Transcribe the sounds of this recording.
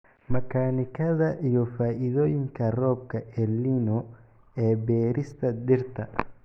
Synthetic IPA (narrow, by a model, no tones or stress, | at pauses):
mɐkʰaːnɪkʰɐðɐʔijɔfaːʔɪðɔːjɪŋkʰɐrɔːb̚kʰɐʔɛlːinɔ | ɛːbɛːɾɪst̪ʰɐdɪrt̪ʰɐ